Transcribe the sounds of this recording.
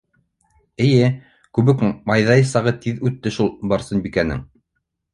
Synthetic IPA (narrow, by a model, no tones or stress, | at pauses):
ɘ̆jɘ | kʉβɘkmɑjðɑjsɑʁɤt̪iðʉt̪ːɘʃulˠbɑɾsɤnbikænɘ̰ŋ